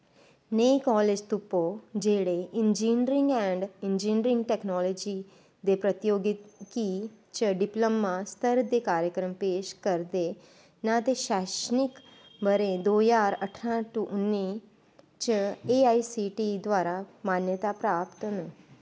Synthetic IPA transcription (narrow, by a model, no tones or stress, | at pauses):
nekɔled͡ʒt̪upːod͡ʒeɽeʔɪnd͡ʒinɾɪ̃ŋɡɛɳɖɪnd͡ʒinɾɪ̃ŋɡʈeknɔlɔd͡ʒi | d̪epɾət̪joɡiki | t͡ʃəɖɪpləmːãst̪əɾd̪ekaːɾjəkɾəmpeːʃkəɾd̪e | nãt̪eʃaʃnɪk | bəɾẽd̪oːjaɾəʈʰɾãʈuʔnːi | t͡ʃəeaisiʈid̪ʋaːɾamanjət̪apɾaːpt̪ənə